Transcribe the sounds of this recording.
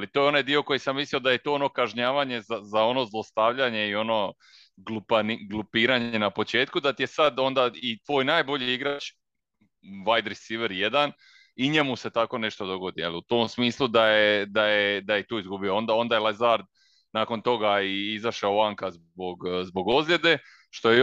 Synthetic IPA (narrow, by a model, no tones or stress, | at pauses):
alit̪ojo̞najd̪io̞ko̞jisamːislio̞d̪aje̞t̪oo̞no̞kaʒɲaːʋaɲe̞zazao̞no̞zlˠo̞st̪aʋʎaɲe̞io̞no̞ | ɡlupaniɡlˠupiːɾaɲe̞napo̞t͡ʃe̞ːt̪kud̪at̪ije̞sad̪o̞nd̪ait̪ʋo̞ːjnaːjbo̞ʎiiɡɾat͡ʃ | ʋajd̪ɾisiʋeɾje̞d̪an | iɲe̞muse̞t̪ako̞ne̞ʃt̪od̪o̞ɡo̞d̪ijelˠiut̪o̞msmiːslˠud̪ajed̪ajed̪aje̞t̪uːizɡubioo̞nd̪ao̞nd̪ajelˠezaɾd̪̚ | naːko̞nt̪o̞ɡaiizaʃaoaŋkazboɡzbo̞ɡo̞zlje̞d̪e̞ | ʃt̪o̞je